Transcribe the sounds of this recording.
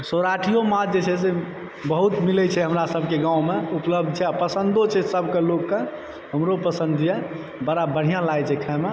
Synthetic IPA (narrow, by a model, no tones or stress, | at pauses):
soɾaʈʰijomad͡ʒet͡ʃʰɛse | bəɦut̪milɛt͡ʃʰɛɦəmɾasəbʱkeɡãumeupləb̚d̪̚ʱt͡ʃʰɛapəsənd̪ot͡ʃʰɛsəbʱkelokːe | ɦəmɾopəsə̃nd̪ʱje | bəɾabəɽ̤ijãlajt͡ʃʰɛkʰame